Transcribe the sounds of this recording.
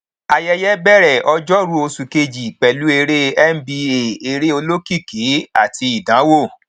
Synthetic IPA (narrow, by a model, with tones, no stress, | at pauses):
a˧jɛ˦jɛ˦bɛ˦ɾɛ˦˨ʔɔ˧d͡ʒɔ˦ɾu˦o˧su˨ke˧d͡ʒi˨k͡pɛ˨lu˨˦e˧ɾe˦ɛ˦m̩˦bi˧e˨e˧ɾe˦o˧lo˦ki˦˨ki˨˦a̰˦˨ti˧i˨dã˨˦wo˦˨